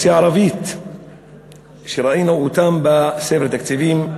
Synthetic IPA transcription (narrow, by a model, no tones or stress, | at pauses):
sʕɑɾˤɑviːt̪ | ʃiɾˤɑʔiːnaʔut̪ambasefɾt̪akt̪iviːm